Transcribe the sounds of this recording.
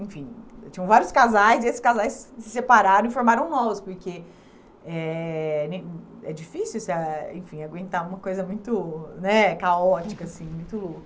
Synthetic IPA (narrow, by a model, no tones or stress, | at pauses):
ẽfĩt͡ʃĩɲɐ̃w̃vaɾjʊskazajziesɪ̥skazajssɪ̥sepaɾaɾɐ̃ĩfoɾmaɾɐ̃w̃nɔvʊspoɾke | ɛnẽɛd͡ʒifisiuwsaḛ̃fĩaɡwẽnt̪aũmɐkojzɐmũj̃t̪ʊnɛkaɔt͡ʃikɐsĩmũj̃t̪ʊlok